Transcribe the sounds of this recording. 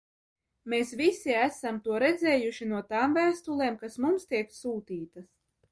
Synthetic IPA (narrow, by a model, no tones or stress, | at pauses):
meːsvisiæsamt̪uɔɾɛd̪zɛːjuʃinuɔt̪aːmvæːst̪ulˠeːmkasmumst̪iɛksuːt̪iːt̪as